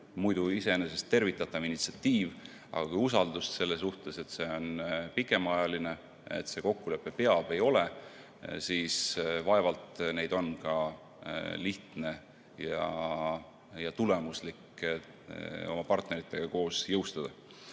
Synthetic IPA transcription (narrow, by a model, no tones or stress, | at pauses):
mujd̪uise̞enese̞st̪ːe̞rvit̪ːˑɑt̪ːˑɑvinit̪siɑt̪ːiːv | ɑ̰ɡ̥ɑkujusɑld̪ust̪se̞lːes̬uht̪e̞se̞t̪ːse̞o̞npikːˑe̞mɑjɑline̞ | ḛt̪se̞ko̞kːule̞pːe̞pe̞ɑb̥e̞jo̞le | siːsvɑe̞vɑlt̪ne̞jd̪̥o̞nkɑ | liht̪ne̞ | jɑ | jɑt̪ule̞muslikː | o̞̰mɑpɑrt̪ne̞ɾit̪ːˑe̞ɡ̥ɑko̞ːsjɤwst̪ɑd̪̥ɑ